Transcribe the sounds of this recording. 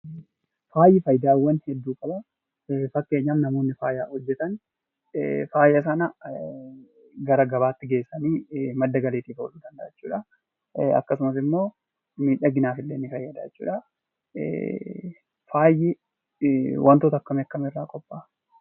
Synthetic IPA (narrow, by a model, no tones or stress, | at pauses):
faːjːɪfɐjd̪aːwːɐnhɛd̪ːuːkʼɐbɐ | fɐkːe̞ːɲːaːmnɐmo̞ːnːɪfaːjaːhɔd͡ʒːɛt̪ɐn | faːjɐs̬ɐnɐ | ɡɐɾɐɡɐbaːt̪ːɪɡe̞ːsːɐniːmɐd̪ːɐɡɐleːt̪iːfɔ̰luːd̪ɐnd̪ɐːɛt͡ʃːuːᶑɐ | ɐ̰kːɐsʊmɐs̬ɪmːo̞ː | miːᶑɐɡɪnaːfɪlːeːnːɪfɐjːɐd̪aːt͡ʃːṵːᶑɐ̰ | faːjːɪ | wʔɐnt̪oːt̪ɐkːɐmɛɐkːɐmɪrːaːkʼɔpʼːaː